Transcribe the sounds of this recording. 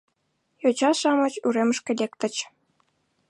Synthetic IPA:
jot͡ɕɑʃɑmɤ̆t͡ɕuɾemə̆ʃkʲelʲek̚t̪ə̆t͡ɕ

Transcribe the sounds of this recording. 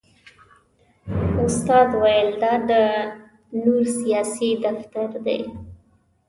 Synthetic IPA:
ʊst̪ɑd̪wajəld̪ɑd̪ə | nuɾsijɑsid̪aft̪aɾd̪ḛj

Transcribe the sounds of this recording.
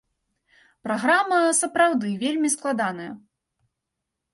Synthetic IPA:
pɾaɣɾamɐsɐpɾawd̪ɨvʲelʲmʲisklˠad̪anɐjɐ̰

